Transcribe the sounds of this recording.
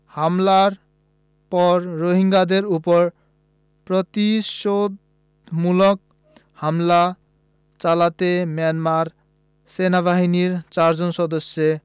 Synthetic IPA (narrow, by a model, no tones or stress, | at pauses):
hamlaɾ | pɔɾːoɦiŋɡad̪eɾupɔɾ | pɾɔt̪isod̪ | mulɔk̚ | hamla | t͡salat̪emjanmaɾ | senabʱaɦiniɾt͡saɾd͡zɔnsɔd̪ɔsje